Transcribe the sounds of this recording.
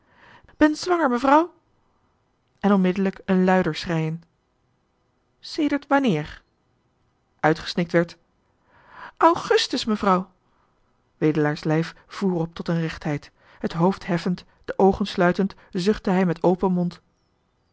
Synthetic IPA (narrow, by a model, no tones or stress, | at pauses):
b̥ɛnzʋɑŋəɹməvrɑw | ʔɛnɔnmɪdələkənlœɥdəɹsrɛjən | sejdəɹtʋɑnɪːɹ | ʔœɥtχə̥snɪk̚tʋɛɹt | ʔɑwχɵstəsməvrɑw | ʋejdəlaːɹslɛjf | v̥uːrɔp̚tɔtənrɛχtɦɛjt | ɦətɦowftɦɛfənt | d̥əʔowχənslœɥtənt | zɵχtəɦɛjmɛtowpənmɔnt